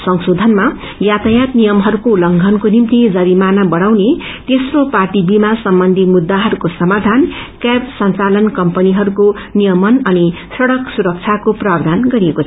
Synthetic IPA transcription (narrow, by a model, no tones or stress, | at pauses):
sʌŋsod̪ʱʌnma | jat̪ajat̪nijʌmɦʌɾukolʌŋɡʱʌnkonimt̪id͡zʌɾimanabʌɽ̃awnet̪esroparʈibimasʌmbʌnd̪ʱimud̪ːaɦʌɾukosʌmad̪ʱankabsʌnt͡salʌnkʌmpʌniɦʌɾuko | nijʌmʌnʌni | sʌɽʌksuɾʌk̚t͡sʰjakoprabd̪ʱanɡʌɾiekot͡sʰʌ